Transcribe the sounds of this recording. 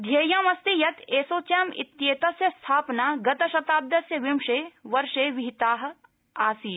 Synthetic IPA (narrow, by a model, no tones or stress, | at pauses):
d̪ʱjɐːjãːmɐst̪ijɐt̪eːsoːt͡ʃjaːmɪ̰t̪jeːt̪ɐsjɐst̪ʰaːpnaːɡɐt̪ɐʃɐt̪aːb̚d̪ɐsjɐʋɪmʃeːʋɐɾʃeːʋɪɦit̪aːɦ̆ | aːsiː